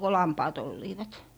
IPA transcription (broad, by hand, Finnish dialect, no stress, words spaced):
ko lɑmpɑːt olːiːʋɑt